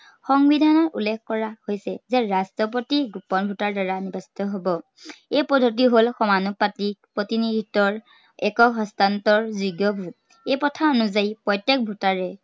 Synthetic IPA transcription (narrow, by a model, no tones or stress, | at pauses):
xɔŋbidʱanɔtṵlːɛkkɔɹahojsɛzɛɹastɹɔp̬otiɡupɔnbʱutaɹdaɹanibasi̥tɔɦobɔ | ejpɔdʱot̬iɦolxɔmanupatik̚pɹɔtinidʱitːɔɹ | ɛkɔɦɔstantɔɹzuɡjɔbʱut̚ | ejpɔtʰaɔnuzaipɹɔjtek̚bʱutaɹɛ